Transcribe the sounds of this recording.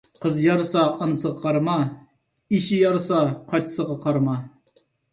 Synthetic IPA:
qʰəzjɑɾɨsɑːnɨsəʁɑqʰɑɾmɑ | iʃijɑɾsɑqʰɑjt̪ʰɨ̥səʁɑqʰɑɾmɑ

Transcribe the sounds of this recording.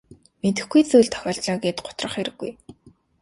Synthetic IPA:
met̪ɘ̆xɡujt͡sujɮt̪ʰœ̥xʲɔːɮt̪ɮɔːɡeːt̪ɢʊ̥t̪rə̆χeɾɘ̆ɡːṵj

